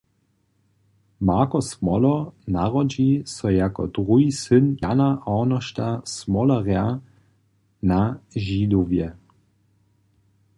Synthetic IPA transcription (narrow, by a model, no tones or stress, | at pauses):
makɔsmɔlɔnaʁɔd͡ʑisɔjakɔ̰dʁuisɪnjanaʔɔwnɔʃtasmɔlaʁja | naʒiːd̪ovjɛ